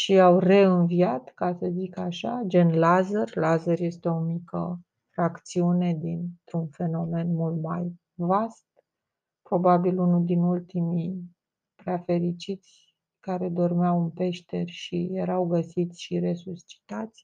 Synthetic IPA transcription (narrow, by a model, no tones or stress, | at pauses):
ʃiawre̞ɨnviat̪kasəzikaʃad͡ʒe̞nlazərʲlazərje̞st̪e̞o̞mikə̰ | fɾakt̪siune̞d̪int̪ɾunfe̞no̞me̞nmult̪maj | vast̪ | pɾo̞babilunuld̪inult̪imi | pɾafe̞ɾit͡ʃit̪sʲ | kaɾe̞d̪o̞rmeawɨnpe̞ʃt̪e̞rʲʃije̞ɾawɡəsit̪sʲʃiɾe̞sust͡ʃi̥t̪at̪sʲ